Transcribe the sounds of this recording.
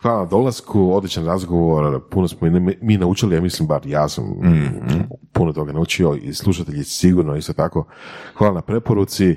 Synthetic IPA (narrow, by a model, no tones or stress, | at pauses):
xʋaːlanad̪o̞lˠaskʰuod̪lit͡ɕt͡ʃanɾazɡoʋo̞ɾpunosmonmiːnaut͡ʃiliamislimbaɾjaːsa̰m | punot̪o̞ɡanaut͡ʃio̞ḭslˠuʃ̬at̪eʎisiɡuɾnoist̪o̞t̪ako̞xʋaːlˠanapɾe̞po̞ɾut̪si